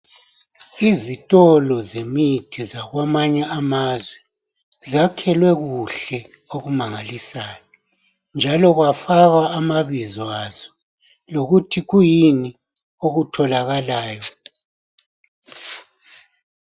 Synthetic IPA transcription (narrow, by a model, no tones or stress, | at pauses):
izitʼɔlɔzemitʰizaɣwamaɲɛamazwɛ | zakʰɛlwɛɣuɬɛ | oɣumaŋalisaːjɔ | nd͡ʒʱalɔɣwafaɣaːmaβizwaz̥ɔ | loɣutʰiɣujini | oɣutʰɔlaɣalaːjɔ